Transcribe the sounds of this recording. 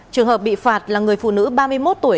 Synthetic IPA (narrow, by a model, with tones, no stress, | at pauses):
t͡ɕɨ˨˩əŋɦəː˨˩p̚ɓḭ˧˨faː˨˩t̚laː˨˩ŋɨ˨˩əjfṵ˧˨nɨ̰˧˥ɓaː˧mɨ˧əjmo˦˥t̚t̪u˧˩əj